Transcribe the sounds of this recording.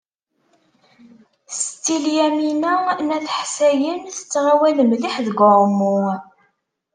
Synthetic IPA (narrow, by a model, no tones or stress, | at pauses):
st̪ːiljæminænæθħsæjənθə̥t͡sːʁawæləmliħðəɡʷəɾˤmu